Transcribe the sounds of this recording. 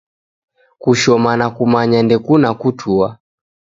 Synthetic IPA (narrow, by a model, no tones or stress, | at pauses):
kuʃɔmanakumaɲandɛkunakutʰua